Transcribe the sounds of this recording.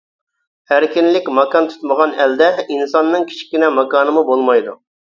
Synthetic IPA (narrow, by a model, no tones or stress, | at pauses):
hæɾkʲinlɪkʲmɑkɑnt̪ʰy̥t̪məʁɑnɛld̪ɛinsɑnːɨŋkʲʰi̥t͡ʃʰkʲinɛmɑkɑːnɨmubolˠmɑjd̪ṵ